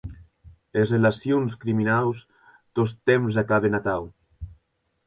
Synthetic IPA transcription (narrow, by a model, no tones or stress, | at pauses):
ezrelasjonskɾiminaws | t̪ost̪emz̬akaβenat̪aw